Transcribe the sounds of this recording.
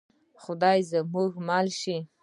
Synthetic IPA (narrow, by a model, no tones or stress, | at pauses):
χʊd̪ɑjzəmuɡmɑlʃi